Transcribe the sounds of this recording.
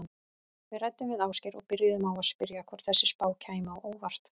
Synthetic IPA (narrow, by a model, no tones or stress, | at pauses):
n | vɪrajt̪ːʏmvɪðaːwscɪɾɔɣpɪɾjðʏmawaðspɪɾjakʰvɔɾ̥θɛsːɪspaːwcʰaːjmawʔoːwvar̥t̪